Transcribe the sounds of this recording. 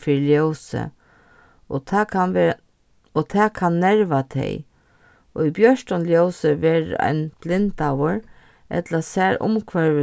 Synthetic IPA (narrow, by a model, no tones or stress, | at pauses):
fɪɾljowsə̰ | ɔt̪ʰɛːkʰanːɛɹʋat̪ʰɛ̰j | ɔibjœʂʈ̪ɔnljowsəʋɛːɹ̰a̰ɪnb̥lɪnt̪awəɾ | ʔɛ̰t̪lasæːɾʊ̰mkʰʋɛɹʋɪ